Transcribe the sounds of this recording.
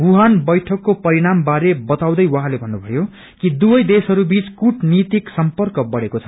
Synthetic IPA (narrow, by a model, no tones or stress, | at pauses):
bʱuɦanbʌjʈʰʌkːopʌɾiɽ̃ambaɾebʌt̪aw̃d̪ʌjwaɦãlebʱʌnːubʱʌjo | kid̪ubʌjd̪esɦʌɾubit͡skuʈnit̪iksʌmpʌrkʌbʌɽekot͡sʰʌ̥